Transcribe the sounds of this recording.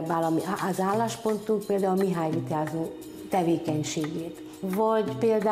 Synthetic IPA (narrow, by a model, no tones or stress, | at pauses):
balɒmiɒzaːlːaːʃpo̞nt̪uŋk̚peːld̪aːulmiɦaːjit̪aːzoː | t̪ɛveːkɛɲʃeːɡeːt̪ | vɒɟpeːld̪a